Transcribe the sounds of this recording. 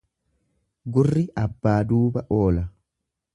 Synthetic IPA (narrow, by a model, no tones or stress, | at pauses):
ɡʊrːɪʔɐbːaːd̪uːbɐʔoːlɐ